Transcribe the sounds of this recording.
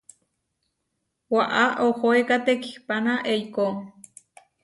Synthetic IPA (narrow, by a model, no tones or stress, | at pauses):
waʔaʔohoekat̪eki̥hpanaʔejko